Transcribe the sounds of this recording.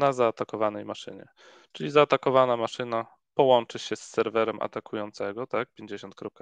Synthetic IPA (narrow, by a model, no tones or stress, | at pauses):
nazaːt̪akɔvanɛjmaʂɘ̰ɲɛ̰ | t͡ʂɘlʲizaːt̪akɔvanamaʂɘna | pɔwɔnt͡ʂɘɕɛsːɛɾvɛɾɛmʔa̰t̪akʰujɔnt̪sɛɡɔt̪ak̚pʲjeɲd͡ʑeɕɔnt̪kɾɔp̚ka